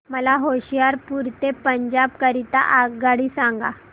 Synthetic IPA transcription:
məlaɦoɕijaɾpuɾt̪epəɲd͡ʑabkəɾit̪a̰ʔaɡaɽisaŋɡa̰

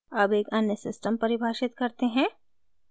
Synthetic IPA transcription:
ɐbeːkɐnjəsɪsʈəmpɐɾɪbʱaːʃɪt̪kɐɾt̪eɦɛ̃ː

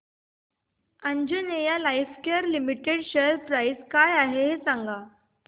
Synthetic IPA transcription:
əɲd͡ʑənejalajfkeəɾlimiʈeɽɕəlpɾaiskajaɦeɦesãŋɡa

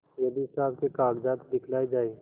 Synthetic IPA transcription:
jɐd̪isaːb̚kekaːɡd͡ʒaːt̪d̪ɪkʰlaːed͡ʒaːi

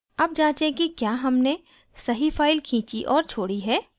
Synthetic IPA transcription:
ɐb̚d͡ʒãːt͡ʃẽkikjaːɦɐmne | sɐɦifʰaːɪlkʰĩːt͡ʃiʔɔːɾt͡ʃʰoːɽiɦɛː

